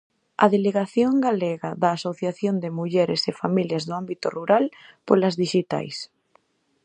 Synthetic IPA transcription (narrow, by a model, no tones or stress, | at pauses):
ɐ̰ðeleɣaθjoŋɡaleɣaðaːsoθjaθjond̪emuʎɛɾesefamiljɐzðoambit̪oruɾalpolɐzðiʃit̪a̰js